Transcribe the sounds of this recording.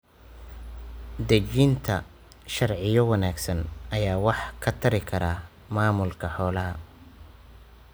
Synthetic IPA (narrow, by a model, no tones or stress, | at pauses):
d̪ɐt͡ʃiːnt̪ʰɐ | ʃɐrʕɪjɔwɑnaːɡsɐnʔɐjaːwɑħkʰɐt̪ʰɐɾɪkʰɐɾaː | maːmʊlkʰɐħɔːlɐɦɐ